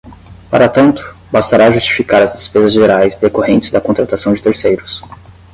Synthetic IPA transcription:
paɾɐt̪ɐ̃nt̪ʊ̥ | bast̪aɾaʒust͡ʃi̥fikaɾɐzd̪espezɐzʒeɾajzd̪ekohẽnt͡ʃɪ̥zd̪ɐkõnt̪ɾat̪asɐ̃w̃d͡ʒɪt̪eɾsejɾʊs

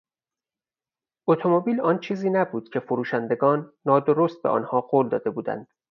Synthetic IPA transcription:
ʔot̪ʰomobiːlɒːnt͡ʃʰiːziːnæbuːd̪̥cʰe̞foɾuːʃænd̪e̞ɡɒːnːɒːd̪o̞ɾost̪̚beʔɒ̰ːnhɒːɢoːld̪ɒ̰ːd̪e̞buːd̪æ̰nd̪̥

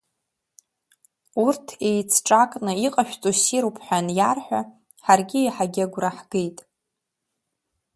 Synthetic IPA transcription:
urtʰe̞jt͡sʰʈ͡ʂʼakʼnɨiqʼaʃᶣt͡sʼusiɾupʰħʷᶣanjarħʷᶣa | ħarɡʲijħaɡʲaɡʷraħɡ̥ejtʼ

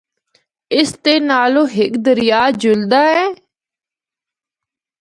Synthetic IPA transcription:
ɪst̪eːnaːloːɦɪkd̪əɾɪjaːd͡ʒʊld̪aːɦɛː

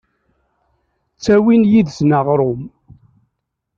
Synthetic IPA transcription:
t͡sːæwinjiðsnaʁɾˤʊm

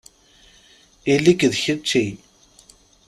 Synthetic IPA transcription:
ilikðçət͡ʃːij

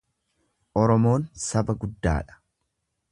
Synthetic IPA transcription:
ʔɔɾɔmo̞ːnsɐbɐɡʊd̪ːa̰ːᶑɐ̥

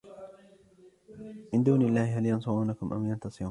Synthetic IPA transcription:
mɪnd̪uːnɪlːaːhɪɦaljɑnsˤʊʕuːnakʊmʔa̰mjɑnt̪ɑsˤɨɾuːn

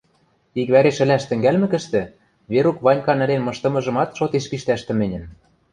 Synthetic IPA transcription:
ikβæɾeʃɘ̆lʲæʃt̪ɘ̆ŋɡælmɘ̆kɘ̆ʃt̪ɘ̆ | βeɾukβɑnʲkɑnɘ̆lenmɤ̆ʃt̪ɤ̆mɤ̆ʒɤ̆mɑt̪ʃot̪eʃpiʃt̪æʃt̪ɘ̆mɘ̆nʲɘ̆n

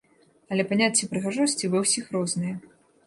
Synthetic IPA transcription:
ɐlʲɛpanʲat͡sʲːipɾɨɣaʐɔsʲt͡sʲivɨwsʲixɾɔznɨjɐ

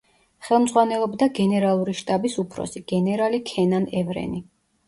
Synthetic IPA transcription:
χɛlˠmd̪zʁwanɛlˠɔbd̪aɡɛnɛɾalˠuɾiʃt̪ʼabisupʰɾɔ̰siɡ̥ɛnɛɾalikʰɛnanɛvɾɛ̰ni

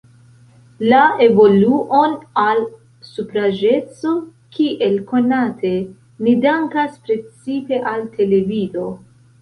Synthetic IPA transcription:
lae̞vo̞luʔo̞nal | supɾad͡ʒe̞t͡sokʰiʔe̞lko̞natʰe̞ | nidaŋkaspɾe̞t͡sipe̞ʔaltʰe̞le̞vido̞

